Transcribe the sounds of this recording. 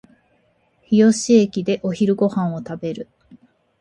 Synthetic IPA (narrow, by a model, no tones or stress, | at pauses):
çijo̞ɕiekʲid̪e̞ʔo̞çiɾɯ̟ɡo̞hãɰ̃o̞t̪abe̞ɾɯ̟